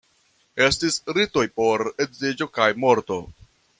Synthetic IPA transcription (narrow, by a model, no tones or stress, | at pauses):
e̞stisɾito̞jpo̞ɾedzid͡ʒo̞kajmo̞ɾto̞